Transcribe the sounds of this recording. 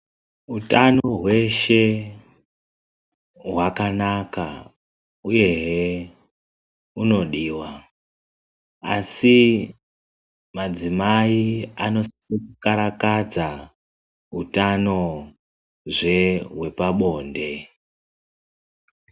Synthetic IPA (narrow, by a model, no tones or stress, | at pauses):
utano̞ɦwe̞ʃe̞ | ɦwakanaka | uje̞ɦe | uno̞ɗiːwa | a̰si | mad͡zimaiano̞sekukaɾakad͡za | ɦutano̞ | ʐe̞ɦwe̞paɓo̞ːnde̞